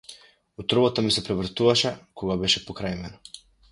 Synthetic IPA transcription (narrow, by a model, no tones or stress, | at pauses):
ɔt̪ɾɔbɔt̪amisɛpɾɛvr̩t̪uvaʃɛkɔɡabɛʃɛpɔkɾajmɛna